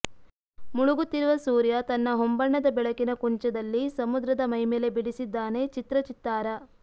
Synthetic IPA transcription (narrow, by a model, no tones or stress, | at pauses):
muɭuɡut̪ːiɾuʋɐsuːɾjɐt̪ɐnːɐɦombɐɳːɐd̪ɐbɛɭɐkinɐkuɲt͡ʃɐd̪ɐlːisɐmud̪ɾɐd̪ɐmɐjmeːlebiɽisid̪ːaːne̞t͡ʃit̪ɾɐt͡ʃit̪ːaːɾɐ